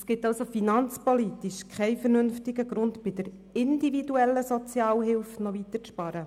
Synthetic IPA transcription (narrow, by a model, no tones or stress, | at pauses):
sɡ̥ɪtɑlsofinɑnt͡spolitiʃkʰɛɪfəɾnʏnftɪɡəɡɾʊntb̥ɪd̥əɾ | ɪndividuɛlːəsɔt͡sjɑːlɦɪlfnɔʋit̪əɾt͡spɑːɾə